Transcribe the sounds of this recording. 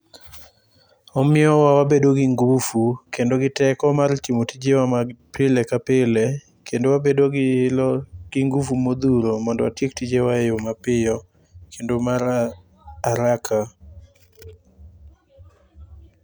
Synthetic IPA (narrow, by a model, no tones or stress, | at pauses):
ɔmɪɔwawabedoɡiŋɡufukendoɡɪtɛkɔmart͡ʃimotid͡ʒewamapɪlekapɪle | kʰendowabedolɡ̥ɪŋɡufumod̪uɾomɔndɔwa̰tjek̚tid͡ʒewajomapɪjɔ | kʰendomaɾ | aɾakʰa